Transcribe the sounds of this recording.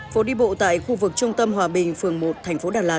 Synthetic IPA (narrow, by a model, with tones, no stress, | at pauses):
fo˨˦ɗi˧ɓo̰˧˨t̪a̰ː˧˨jxu˧vɨ˨˩k̚t͡ɕʊ˧ŋ͡mt̪ə˧mɦwaː˨˩ɓï˨˩ŋ̟fɨ˨˩əŋmo˨˩t̚t̪ʰɛ˨˩ŋ̟fo˨˦ɗaː˨˩laː˧˩